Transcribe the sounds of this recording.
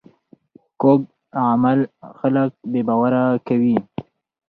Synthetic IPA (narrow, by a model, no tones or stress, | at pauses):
kob̚ | amalxalək̚bebawaɾakawi